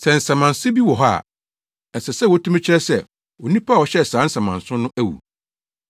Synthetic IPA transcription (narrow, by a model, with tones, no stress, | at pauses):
sɛ˨n̩˨sã˨mã˨nsʊ̃˦bi˦wɔ˨ɦa̰˦˨ | n̩˨sɛ˨sɛ˦wɔ˨˦tʰũ˦mɪ̃˦t͡ɕʰɪ˦ɾɛ˦sɛ˦˨ | wɔ˨nĩ˦pʰa˦˨ɔ˨ɕɛ˦˨sãː˨˦n̩˦sã˨mã̰˨n˨sʊ̃˦nʊ̃˦æ˦wṵ˨